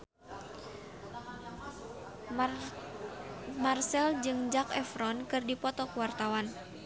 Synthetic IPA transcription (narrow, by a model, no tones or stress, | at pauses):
marsɛld͡ʒɨŋd͡ʒakɛfɾɔnkɨrdipɔt̪ɔkuwart̪awan